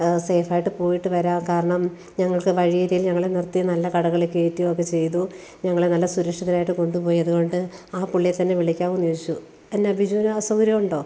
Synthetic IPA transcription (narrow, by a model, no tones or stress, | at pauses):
sejfaːjiʈːɨpo̞ːjiʈːɨʋɐɾaːnkaːɾɐɳɐm | ɲɐŋːɐɭkɨʋɐɻijɐɾijilɲɐŋːɐɭenirt̪ːijɐnɐlːɐkɐɽɐɣɐɭekːeːtːiookːe̞t͡ɕe̞jt̪u | ɲɐŋːɐɭenɐlːɐsuɾɐkʂɐðɐlaːjiʈːɨko̞ɳɖupo̞ːjiɐðuɣo̞ɳɖɨaːpuɭːijet̪ːɐnːe̞ʋiɭikʲːaːʋunijosit͡ɕːu | enːeɐbʱid͡ʑuːnsɐwɾjɐmuɳɖo̞ː